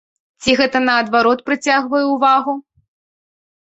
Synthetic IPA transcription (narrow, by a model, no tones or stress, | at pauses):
t͡sʲiɣɛt̪ɐnɐːd̪vaɾɔt̪̚pɾɨt͡sʲaɣvɐjɛuvaɣu